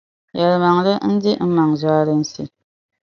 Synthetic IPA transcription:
jɛ˨ɾɨ˨ma˨ŋlɨ˦n̩˦di˦m̩˦ma˨ŋzwaː˦ɾɨ˦n̩˦sḭ˦

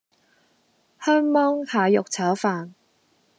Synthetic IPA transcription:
hœː˥ŋmɔː˥ŋhaː˨jʊ˨k̚t͡sʰaː˨˥wfaː˨n

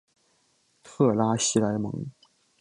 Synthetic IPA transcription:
t̪ʰɤ˥˩la˥ɕi˧˥la˧˥ɪmɤ̰˧˥ŋ

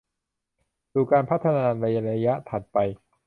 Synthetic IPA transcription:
suː˨˩kaː˧npʰa˦˥t̪ʰːa˧naː˧ɾa˧ja˧ɾa˧ja˦˥t̪ʰa˨˩t̪̚pa˧j

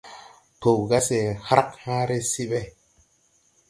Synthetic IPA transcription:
to˨ɣa˦se˨ha˦ɾa˦khã˦ɾe˦si˦ɓe˦

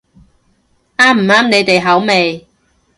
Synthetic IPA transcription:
aː˥m̩˨˩aː˥mne˨˧jt̪e˨jɦɐ˨˥wme˨j

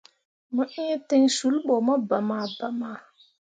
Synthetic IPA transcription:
mə˦ʔi˦te˦ɲsu˨˦lɓɔ˨mə˦ba˨ma˨ba˨ma˨

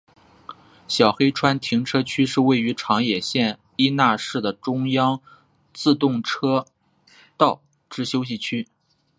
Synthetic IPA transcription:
ɕjɑ˨˩ʊxe˥ɪʈ͡ʂʰwa˥nt̪ʰi˧˥ŋʈ͡ʂʰɤ˥t͡ɕʰy˥ʂɻ̩˥˧we˥˩ɪy˧˥ʈ͡ʂʰɑ˧˥ŋjɛ˨˩ɕjɛ˥˩n | i˥na˥˧ʂɻ̩˥˩d̪ə˩ʈ͡ʂʊ˥ŋjɑ˥ŋ | t͡sɹ̩˥˧t̪ʊ˥˩ŋʈ͡ʂʰɤ˥ | t̪ɑ˥˩ʊ | ʈ͡ʂɻ̩˥ɕjo˥ʊɕ̬i˥˩t͡ɕʰy˥

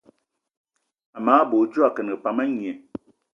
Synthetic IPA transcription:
a˨maː˨˦bo˨˦d͡ʒu˦a˨kə˨n˨ə˨pa˨mə˦ŋje˨

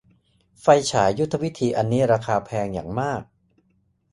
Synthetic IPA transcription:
fa˧jt͡ɕʰaː˩˦ju˦˥t̪ʰːa˧wi˦˥t̪ʰiː˧ʔa˧nːiː˦˥ɾaː˧kʰaː˧pʰɛː˧ŋja̰ː˨˩ŋmaː˥˩k̚

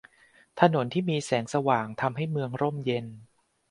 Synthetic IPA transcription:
t̪ʰa˧no˩˦nt̪ʰiː˥˩miː˧sɛː˩˦ŋsa˧waː˨˩ŋt̪ʰa˧mɦa˥˩jmɯ˧əŋɾo˥˩mje˧n

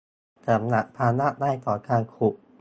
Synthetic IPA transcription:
t͡ɕa˨˩˦mna˧˦˥ʔ̚pʰaː˧na˥˩ʔdaː˥˩jk̪ɔː˨˩kʰaː˧ŋkʰu˨˩ʔ

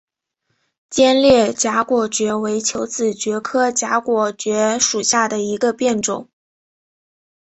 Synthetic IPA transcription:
t͡ɕjɛ˥nljɛ˥˩t͡ɕja˧˥kwɔ˨˩t͡ɕɥɛ˧˥we˧˥ɪt͡ɕʰjo˧˥ʊt͡sɹ̩˨˩t͡ɕɥɛ˧˥kʰɤ˥t͡ɕja˧˥kwɔ˨˩t͡ɕɥɛ˧˥ʂu˨˩ɕja˥˩d̪ə˩i˧˥ɡə˧pjɛ˥˩nʈ͡ʂʊ̰˨˩˦ŋ

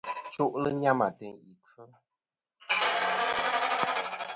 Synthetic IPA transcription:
t͡ʃo˦ʔlə˦ɲa˦ma˨tɛ˨ŋi˨kʰə˦

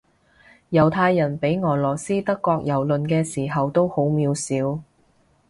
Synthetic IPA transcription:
jɐ˨˩wt̪ʰaː˧jːɐ˨˩npe˨˥jŋɔː˨˩lɔː˨˩siː˥t̪ɐ˥kːɔː˧k̚jɐ˨˩wlɵ˨nkɛː˧siː˨˩ɦɐ˨wt̪o˥who˨˥wmiː˨˧wsiː˨˥w

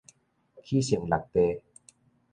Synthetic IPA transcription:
kʰiː˦˩sŋla˨˩k̚t̪e˧

